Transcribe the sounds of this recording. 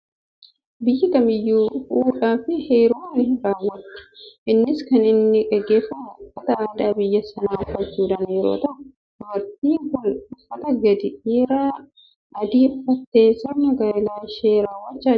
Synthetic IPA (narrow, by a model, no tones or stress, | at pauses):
bɪjːɪkɐmɪjːuːhuːᶑaːfɪheːɾoːnːɪɾaːwːɐt̪ːɪ̥ʔɪnːɪskɐnɪnːɪkʼɛɡːeːfːɐmkːɐt̪ɐaːd̪aːbɪjːɐsɐnaːʊfːɐt͡ʃːuːᶑɐnjɛɾo̰ːt̪ɐʔʊ | wɐɾt̪iːŋkʊnʊfːɐt̪ɐɡɐd̪ɪʔiːɾaː | ɐd̪iːfɐt̪ːe̞ːsɐmɐɡaːlaːʃeːɾaːwːɐt͡ʃːaː